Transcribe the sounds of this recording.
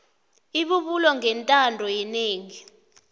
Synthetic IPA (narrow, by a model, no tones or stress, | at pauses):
iɓuɓulɔŋɛntʼandʱɔjɛneːŋi